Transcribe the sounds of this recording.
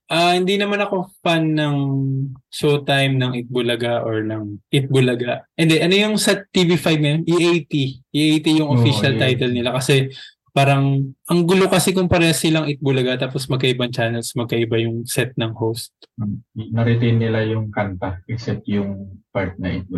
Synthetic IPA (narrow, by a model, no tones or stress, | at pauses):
ʔahɪnd̪inɐmanɐko̞fanːɐŋ | sot̪ajmnɐŋʔɪt̪̚bʊlɐɡaʔo̞ɹnɐŋʔɪt̪̚bʊlɐɡaʔʔɛnd̪ɛʔɐnojʊŋsɛt̪ːivifajb̚ɐmʔiʔajt̪iʔiʔejt̪ijʊŋʔofiʃɐlt̪ajt̪ɛlnɪlakɐsɛ | paːɾɐŋʔɐŋɡʊlo̞kɐsɛkʊmpɐɾɛsɪlɐŋɪt̪̚bʊlɐɡat̪aːpo̞smɐɡkɐʔɪbɐnt͡ʃaːnɛlsmɐɡ̚kɐʔɪbajʊŋsɛt̪̚nɐŋhowst̪̚ | nɐɾɪt̪ejnːɪlajʊŋkɐnt̪aʔɛksɛp̚t̪jʊŋpaɹt̪̚nɐʔɪ̰t̪̚bʊ